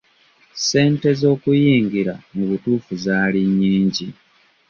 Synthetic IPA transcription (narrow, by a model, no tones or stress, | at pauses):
se̞ːnte̞zo̞ːkujiːŋɡiɾamuβutuːfuzaːliɲːiːɲɟi